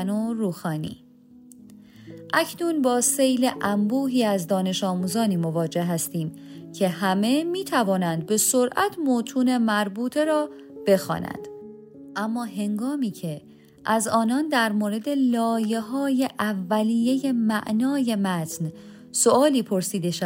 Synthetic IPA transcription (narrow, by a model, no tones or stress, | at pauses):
noɾuːxɒːnḭː | ʔæcʰnuːnbɒːsejleʔæmbuːɦiːæzd̪ɒːne̞ʃɒːmuːzɒːniːmovɒːd͡ʒe̞hɦæst̪iːmcʰe̞ɦæme̞miːt̪ʰævɒːnænd̪̚be̞so̞ɾʔæt̪ʰmoːt̪ʰuːne̞mæɾbuːt̪ʰe̞ɾɒː | b̥e̞xɒ̰ːnæ̰nd̪̥ | ʔæmːɒːhɦe̞ŋɡɒːmiːcʰe̞ | ʔæzɒːnɒːnd̪æɾmoːɾe̞d̪e̞lɒːje̞ɦɒːje̞ʔævːæliːje̞je̞mæʔnɒːje̞mæt̪ʰn | so̞ɒːliːpʰo̞ɾsiːd̪e̞ʃæ